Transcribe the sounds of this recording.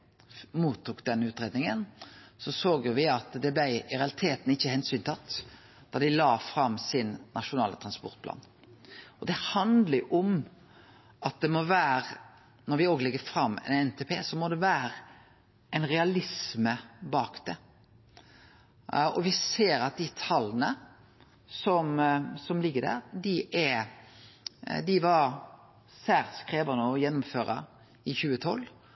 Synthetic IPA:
muːt̪ʰːuːkd̪ɛnːəʉːt̪ɾeːd̪nɪŋənsɔsoːɡjʊʋɪɑt̪d̪ɛblæɪɾɛɑlɪt̪ʰeːt̪n̩ɪçːəhɛnsyːnt̪ʰɑt̪ː | d̪̥ɑʁd̪ɪlɑːfɾɑmːsɪnːɑʂʊnɑ̰ːlət̪ɾʁɑnspɔ̰ʁt̪̚pʰlɑ̰ːn | ɔd̪ɛhɑnd̪ləʔɔm | ʔɑt̪̚d̪ɛmɔʋæːɾ | nɔɾʋɪoːɡlɛɡːəfɾɑmːɛ̰nɛnt̪ʰepʰeːsɔmɔd̪ɛʋæːɾ | ʔɛnɾɛɑlɪsməbɑːkd̪̥ɛ | ɔʋɪseːɾɑt̪̚d̪ɪt̪ʰɑlːənə | sɔmsɔmlɪɡːəd̪æ̰ːɾd̪ɪʔæ | d̪ɪʋɑɾ | sæːɾskɾeːʋɑnəɔjɛnːʊmføːɾə̰ | ɪçʉːət̪ʰɔlː

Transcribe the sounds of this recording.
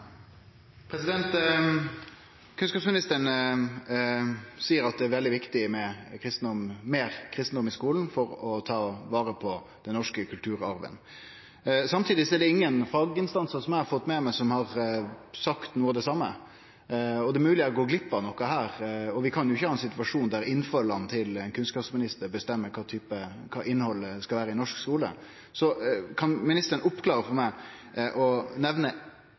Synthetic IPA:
pʰɾɛsɪd̪ɛnt̪ | kʰʉnskɑpsmɪnɪst̪əɳ | siːəɾɑt̪̚d̪ɛæɾʋɛld̪ɪʋɪkt̪ɪmɛkʰɾɪst̪n̩d̪ɔmmeːɾkʰɾɪst̪n̩d̪ɔmɪskuːln̩fɔɾɔt̪ʰɑːʋɑːɾəpʰɔ | d̪̥ɛnːɔʂkəkʰʉlt̪ʰʉːɾɑɾʋə̰n | sɑmt̪ʰiːd̪ɪsɔɛɖɛɪŋːənfɑːɡɪnst̪ɑnsəɾsɔmæɪhɑɾfɔt̪ːmɛmæsɔmhɑɾsɑkt̪nuːəɑd̪ɛsɑmːə̰ | ɔd̪ɛmʉːlɪəɾɔɡoːɡlɪpːɑnɔkːɑhæːɾɔʋɪkʰɑnjʊɪçːəhɑːɛnsɪt̪ʉʋɑʂuːnd̪æɾɪnːfɑlːɑnt̪ʰɪlɛnkʰʉnskɑːpsmɪnɪst̪əɾbəst̪ɛmːəɾkʰɑːt̪ʰyːpəkʰɑːʔɪnːhɔlːskɑlʋæːɾəɪnɔʂkskuːlə̰ | sɔkʰɑnmɪnɪst̪əɾənʊpːkʰlɑːɾəfɔɾmæɪʔɔnɛʋnə

